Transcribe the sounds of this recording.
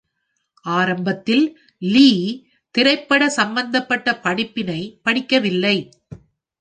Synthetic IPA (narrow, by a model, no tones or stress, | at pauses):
ʔaːɾɐmbɐt̪ːɪl | liː | t̪ɪɾɐɪpːɐɽɐsɐmbɐnd̪ɐpːɐʈːɐpɐɽɪpːɪnɐɪpɐɽɪkːɐʋɪlːɐɪ